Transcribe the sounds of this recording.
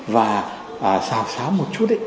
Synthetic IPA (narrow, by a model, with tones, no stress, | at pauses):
vaː˨˩ | ʔəː˨˩saː˨˩wsaː˨˦wmo˨˩t̚t͡ɕu˦˥t̚ɗḭ˧˨